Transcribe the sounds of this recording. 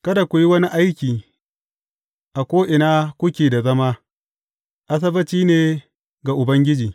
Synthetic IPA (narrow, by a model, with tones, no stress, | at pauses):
kɐ˦da˨kʷʊ˨ji˦wɐ˦ni˦ʔa˦jkʲiː˨ | ʔa˨kʷoː˦ʔɪ˨naː˦kʷʊ˦kʲeː˨da˨zɐ˦maː˦ | ʔa˦s̬ɐ˦bɐ˦t͡ʃiː˦neː˨ | ɡa˨ʔʊ˨bɐ˦ŋɡʲɪ˦d͡ʒiː˨